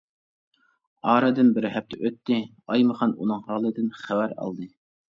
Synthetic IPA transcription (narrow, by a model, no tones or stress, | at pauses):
ɑːɾɑd̪ɨnbɪɾɦæp̚t̪ʰɪʔøt̪ːɪ | ɑjmɨχɑnunɨŋhɑːlˠɨd̪ɨnχæwæɾɑ̰lˠd̪ɨ